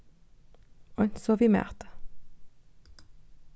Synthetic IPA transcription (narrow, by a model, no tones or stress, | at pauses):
ɔnsɔʋiːmḛːʁt̪ə̥